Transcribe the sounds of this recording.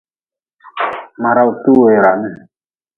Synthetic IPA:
ma˨ɾa˦u˨tu˦we˨ɾa˨mi˦

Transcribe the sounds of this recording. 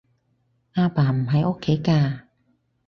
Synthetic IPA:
ʔaː˧paː˨˩m̩˨˩ɦɐ˨˥jʔo˥kʰːe˨˥jkaː˧

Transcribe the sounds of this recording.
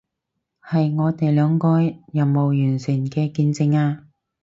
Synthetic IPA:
hɐ˨jŋɔː˨˧t̪e˨jlœː˨˧˥ŋkɔː˧jɐ˨˩mmo˨wjyː˨˩nt͡sʰyː˨˩nkɛː˧kiː˧nt͡sɪ˧ŋaː˧

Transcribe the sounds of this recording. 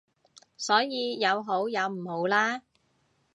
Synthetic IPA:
sɔː˨˥jiː˨˧jɐ˨˧wɦo˨˥wjɐ˨˧wm̩˨˩ho˨˧wlaː˥

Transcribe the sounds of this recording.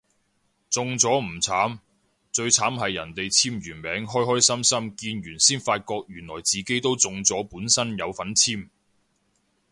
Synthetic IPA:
t͡sʊ˨˧ŋt͡sɔː˨˥m̩˨˩t͡sʰaː˨˥m | t͡sɵ˧ɥt͡sʰaː˨˥mɦɐ˨jːɐ̰˨˩nt̪e˨jt͡sʰiː˥mɥyː˨˩nmɛː˨˥ŋɦɔː˥jɦɔː˥jsɐ˥msɐ˥mkiː˧nɥyː˨˩nsiː˥nfaː˧t̚kɔː˧k̚jyː˨˩nlɔː˨˩jt͡siː˨ke˥jt̪o˥wt͡sʊ˨ŋt͡sɔː˨˥puː˨˥nsɐ˥njɐ˨˧wfɐ˨˥nt͡sʰiː˥m

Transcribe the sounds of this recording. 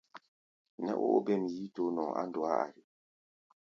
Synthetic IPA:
nɛ̰˦ʔo̰˦o˦bɛ˦˨m˨ji˦to˨˦nɔ˨ŋa̰˦ndɔ˨a˦a̰˨ɾi˨

